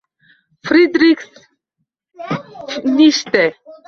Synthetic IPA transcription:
fɾid̪ɾiks | niʃt̪ɛ

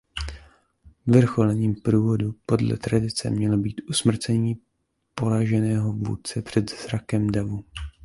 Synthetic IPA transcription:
vr̩xo̞lɛɲiːmpɾuːvo̞dupo̞dlɛ̰t̪ɾadɪt͡sɛ̰mɲɛlobiːt̪ʔusmr̩t͡sɛɲiː | po̞ɾaʒɛnɛːɦo̞vṵːt̪̚t͡sɛpr̝̥ɛd̪zɾakɛmdavu

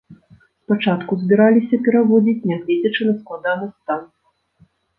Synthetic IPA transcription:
spat͡ʂat̪kuzʲbʲiɾalʲisʲɐpʲɛɾavɔd͡zʲit͡sʲnʲaɣlʲid͡zʲɐt͡ʂɨnɐsklˠad̪anɨst̪an

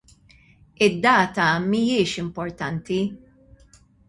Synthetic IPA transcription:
ɪd̪ːɐːt̪ɐmijɪːʃɪmpɔɾt̪ɐnt̪i

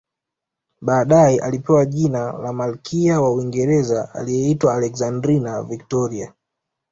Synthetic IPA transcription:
ɓaːɗaɛʔalipɛwaʄinalamalkʰiawauwiŋɡɛɾɛzaa̰lijɛitwaːlɛkzandɾinavik̚tɔɾia

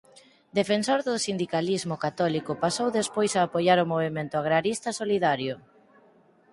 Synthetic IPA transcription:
d̪efensoɾðʊsind̪ikalizmʊkat̪ɔlikʊpasowðespojsaːpojaɾʊmoβ̞emẽnt̪ʊaɣɾaɾist̪ɐsoliðaɾjʊ

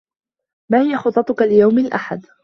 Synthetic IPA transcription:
maːhɪjaxʊt̪ˤːɑt̪ʊkalɪjawmɪlʔa̰ħad̪

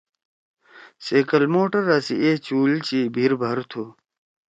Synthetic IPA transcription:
seːkɐlmoːʈɐɾasḭʔeːt͡ɕuːlt͡ɕibʱiɾbʱɐɾt̪ʰu

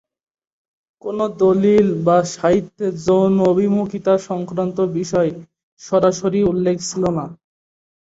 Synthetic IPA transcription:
konod̪olilbaʃaɦit̪ːed͡ʑownobʱimukit̪aʃɔŋkɾant̪obiʃɔe | ʃɔɾaʃoɾiulːekʰt͡ɕʰilona

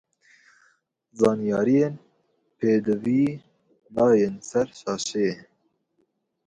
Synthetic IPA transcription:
zɑːnijɑːɾijeːn | pʰeːd̪ɨviː | nɑːjensɛɾʃɑːʃe

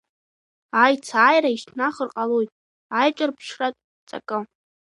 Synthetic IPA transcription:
ajt͡sʰaːjraiʃtʰnaχərqʼalojtʼ | ajt͡ʃʷʼarpʰʂratʼ | t͡sʼa̰kʼɨ

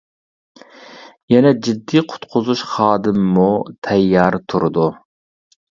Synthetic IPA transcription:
jɛnɛd͡ʒid̪ːiqʰʊ̥t̪qʰʊzuʃχɑːd̪ɨmːut̪ʰɛjːɑɾt̪ʰuɾɨd̪u

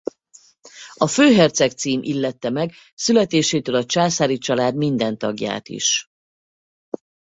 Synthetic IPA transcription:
ɒføːɦɛrt̪sɛkt̪siːmʔḭlːɛt̪ːɛmɛɡ | sylɛt̪eːʃeːt̪øːlɒt͡ʃaːsaːɾit͡ʃɒlaːd̪mind̪ɛnt̪ɒɡja̰ːt̪ḭʃ

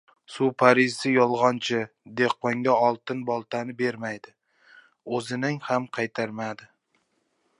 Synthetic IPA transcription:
sʊpʰaɾɪzɪjɒlˠʁɒnt͡ʃʰɪ | d̪e̞qːɒŋɡʲaɒlˠt̪ɪnbɒlˠt̪ʰanɪbe̞ɾmajd̪ɪ | ɵzɪnɪŋhamqʰɑjt̪ʰaɾmad̪ɪ

